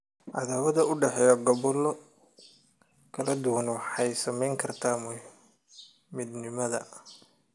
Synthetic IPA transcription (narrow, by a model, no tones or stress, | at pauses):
ʔɑ̰ðaːwɐðɐʊɖɛħɛːjɔɡɐβɔlːɔ | kʰɐlɐd̪ʊwɐnwɑħɑjsɐmɛjŋkʰɐrt̪ʰaːmʊ | mɪd̪nɪmɐðɐ̰